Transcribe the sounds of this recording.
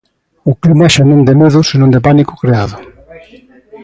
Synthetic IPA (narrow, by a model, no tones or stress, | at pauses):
ʊklimaɛʃanõŋd̪emeðʊsinõŋd̪eɪpanikʊ̥kɾeaðʊ